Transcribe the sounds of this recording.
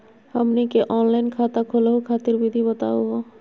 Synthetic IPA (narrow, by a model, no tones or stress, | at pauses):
həmnikeʔɔːnlaɪnkʰat̪akʰoləɦukʰaːt̪iɾbʱid̪ʱibət̪a̰uɦo